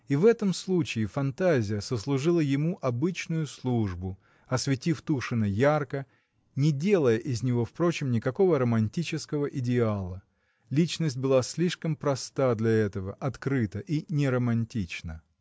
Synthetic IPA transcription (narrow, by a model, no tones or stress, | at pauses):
ivɛt̪əmslˠut͡ɕɪːfɐnt̪azʲɪjəsəslˠʊʐɨlˠəjɪmuʔɐbɨt͡ɕnʊjʊslˠuʐbʊ | ɐsvʲɪtʲift̪uʂɨnəjarkə | nʲɪdʲe̞lˠəjəʔɪzʲnʲɪvo̞fpɾo̞t͡ɕɪmnʲɪkɐko̞vəɾəmɐnʲtʲit͡ɕɪskəvəʔɪdʲɪalˠə | lʲit͡ɕnəsʲt̚ʲbɨlˠasʲlʲiʂkəmpɾɐst̪ad̪lʲɐɛt̪əvəʔɐt̪kɾɨt̪əʔinʲɪɾəmɐnʲtʲit͡ɕnə